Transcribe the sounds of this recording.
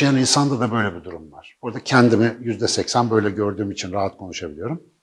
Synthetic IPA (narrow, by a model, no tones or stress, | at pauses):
janinsand̪ad̪abø̞jlʲɛbid̪uɾumvaɾ̥boɾd̪acʰɛnd̪imijyzd̪ɛsɛcsænbø̞jlʲɛɟø̞ɾd̪yːmit͡ʃʰinɾaɦat̪kʰo̞nuʃabilʲijo̞ɾum